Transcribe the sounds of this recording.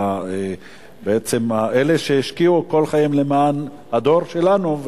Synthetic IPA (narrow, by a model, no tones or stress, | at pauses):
e | beet͡semaʔele̞ʃeiʃkiuko̞lχajimlemaːn | had̪o̞ʁʃelanuv